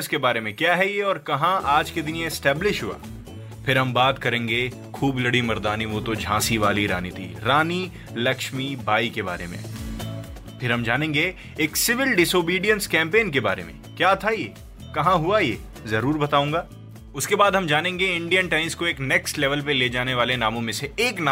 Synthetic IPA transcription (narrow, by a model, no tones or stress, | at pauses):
skebaːɾemẽkjaːɦɛjeɔːɾkɐɦãʔaːd͡ʒked̪ɪnjeːsʈɛːblɪʃɦua̰ː | pʰɪɾɦɐmbaːt̪kɐɾẽːŋɡe | kʰuːblɐɽimɐɾd̪aːniʋoːt̪od͡ʒʱãːsiʋaːliɾaːnit̪ʰḭɾaːni | lɐkʃmibʱaːikeba̰ːɾḛmḛ̃ | pʰɪɾɦɐmd͡ʒaːnẽːŋɡe | eːksɪʋɪlɖɪsoːbiːɖijənskɛ̃ːmpeːnkeba̰ːɾḛmḛ̃kjaːt̪ʰajeː | kɐɦãɦuajḛː | zɐɾuːɾbɐt̪aːũːŋɡaː | ʊskebaːd̪ɦɐmd͡ʒaːnẽːŋɡeɪ̃ɳɖijənʈãːɪ̃nskoeːknɛksʈlɛʋəlpeleːd͡ʒaːneʋaːlenaːmõmẽseeːkna